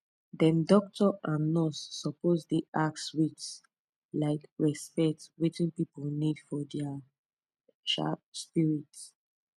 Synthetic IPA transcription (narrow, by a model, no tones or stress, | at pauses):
dɛ̃ndɔk̚tʰɔʔãnːɔsːɔpozdeʔakswit͡ʃs | laɪkɹɛspɛtwitĩnpipulnidfɔdɛa | ʃa̰p̚spiɹits